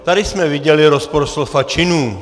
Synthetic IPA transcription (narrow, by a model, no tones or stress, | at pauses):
t̪aɾɪsmɛvɪɟɛlɪɾospoɾslofat͡ʃɪnuː